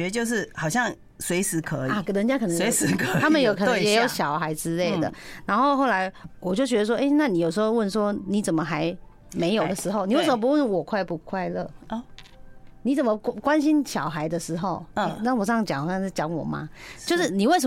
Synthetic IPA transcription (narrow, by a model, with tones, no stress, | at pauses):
ɛ˧˥˧t͡ɕjo˥˧ʊʂ̬ɻ̩˥˩xɑ˨˩ʊɕ̬jɑ˥˩ŋ | swe˧˥ɪsɻ̩˧˥kʰɤ˧˦ia˨˧kɤ˨˩nə˧˥ŋt͡ɕja˦˥kʰɤ˨˩nə˧˦e˧˦ɪskʰt̪ʰa˥mə˨njo˨˧ʊk̪ʰŋjɛ˧˦˥jo˨˥˦ʊɕjɑ˨˩ʊxa˧˥ɪʈ͡ʂɻ̩˥le˥˩ɪd̪ə̰˩na˧˥nxo˥˧ʊxo˥˩ʊla˧˥ɪwɔ˨˩t͡ɕjo˥˩ʊɕ̬ɥɛ˧d̪ə˧ʂ̬wɔ˥ʔe˥ɪna˥˩ni˨˦jo˨˩ʊʂ̬̩˧˥o˥˧ʊwə˥˩nʂwɔ˥ni˨˧˥t͡sə˨˩nmə˦xa˧˥ɪ | me˧˥ɪjo˨˩ʊd̪ə˦ʂɻ̩˧˥xo˥˧ʊni˨˦we˥˩ɪə˨mə˧pu˧˦wə˥˩nwɔ˨˩kʰwa˥˧ɪpu˧˩kʰwa˥˧ɪlɤ˥˩˧ | ni˧˥t͡sə˨˩nmə˧˦kkwa˦nɕi˥nɕjɑ˨˩ʊxa˧˥ɪd̪ə˧ʂɻ̩˧˥xo˥˩ʊ˥˩n˥˩ŋwɔ˨˩ʈ͡ʂt͡ɕjɑ˨˦ŋxɕjɑ˥˧ŋ̩˥˩t͡ɕjɑ˧˥ŋwɔ̰˨˩ma̰˦t͡ɕjo˥˧ʊʂɻ̩˥˩ni˨˩we˥˩ɪʂə˧˨